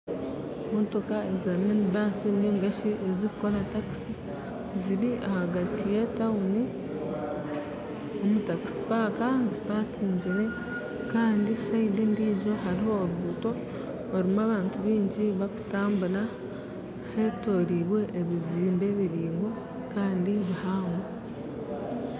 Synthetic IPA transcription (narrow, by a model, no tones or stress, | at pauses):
muntukae̞zaːminibaːsineːŋɡaʃiʔeziku̥ko̞lataki̥si | ziɾiʔahaɡatijetauni | omutaki̥si̥paːkazipaːkiːɲɟiɾe̞ | kaːndisaidindiːzo̞ɦaɾiho̞ːɾuːto̞ː | ɾimuaːβaːntuβiːɲɟiβaku̥taːmbuna | he̞to̞ɾiβwe̞ʔːβiziːmbe̞βiɾiːŋɡwe̞ | kaːndiβihaːŋo